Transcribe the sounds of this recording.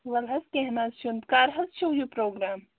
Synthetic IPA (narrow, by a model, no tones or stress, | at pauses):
ʋɐlɦɐskɛɦnaːzʃund̪kaːɾɦɐst͡ʃʰoːjupɾoːɡɾaːm